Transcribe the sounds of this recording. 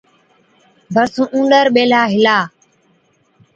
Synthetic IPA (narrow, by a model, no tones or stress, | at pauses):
bʱəɾsũːʔũːɳɖəɾɓeːlaːɦɪlaː